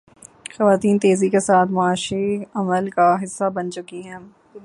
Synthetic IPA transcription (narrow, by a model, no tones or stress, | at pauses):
xɐʋaːt̪iːnt̪eːzikesaːt̪ʰmʊaːʃiɐməlkaɦɪsːabɐnt͡ʃʊkiɦɛ̃ː